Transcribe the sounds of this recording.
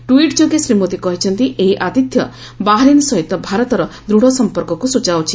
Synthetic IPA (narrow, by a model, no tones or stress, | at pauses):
ʈuiʈd͡ʒoɡesɾimod̪ikɔɦit͡ʃʰɔnt̪iʔeɦiʔat̪it̪jɔ | baɦaɾinsɔɦit̪ɔbʱaɾɔt̪ɔɾɔd̪ɾuɽ̤ɔsɔmpɔɾkɔkusut͡ʃawt͡ʃʰi̥